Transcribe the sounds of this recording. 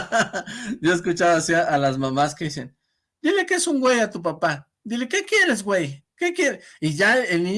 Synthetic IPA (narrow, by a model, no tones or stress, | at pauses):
d̪joeskut͡ʃaβasiaʔːlas̬mamaskesen | d̪̥ilekesuŋɡwejat̪up̬apa | d̪ilekekjeɾes̬wejkekjeɾijaelni